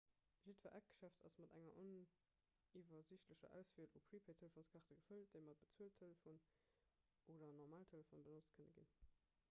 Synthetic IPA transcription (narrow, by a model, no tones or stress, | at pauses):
ʒitvɐ̰ʔæk̚ɡ̥ə̥ʃæftɑ̰smɑdæŋɐʔon | ivɐziɕtləɕɐ̰ʔæ̰ʊsfiəlupʰɹipʰeɪtʰeləfoːnskʰɑʁtəɡəfəld̥əɪmɑt̚b̥ət͡suəltʰːeləfoːn | ʔoːdɐnɔʁmaːltʰeləfoːnbənot͡stkʰənəɡḭn